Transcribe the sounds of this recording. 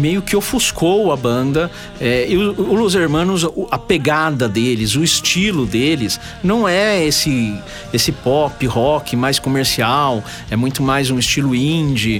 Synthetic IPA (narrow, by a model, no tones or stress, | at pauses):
mejʊkɪofuskʰowɐbɐ̃nd̪ɐ | ɛiʊːluzeɾmɐ̃nʊzɐpeɡad̪ɐd̪elɪzʊist͡ʃilʊd̪elɪs | nɐ̃w̃ɛesɪ | esɪpɔpɪhɔkɪmajskomeɾsiaw | ɛmũj̃t̪ʊmajzũɪst͡ʃilʊĩd͡ʒɪ